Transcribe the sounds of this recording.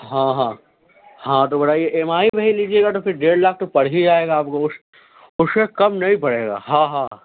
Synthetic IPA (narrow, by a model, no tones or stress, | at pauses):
ɦãːɦãː | hãt̪obɐɾaːieʔeːmaːibɐiliːd͡ʒieːɡat̪ofɪɾɖeːɽlaːk̚ʰt̪ɐpɐɽ̤id͡ʒaːeːɡaaːp̚koʊs | ʊsekɐmnɐɦĩpɐɽ̤eːɡa̰ːɦãɦãː